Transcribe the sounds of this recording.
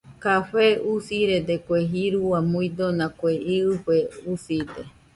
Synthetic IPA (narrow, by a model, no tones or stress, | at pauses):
kaɸeusiɾed̪ekʷeɦiɾuamuĩd̪onãkʷeiɨɸeusid̪e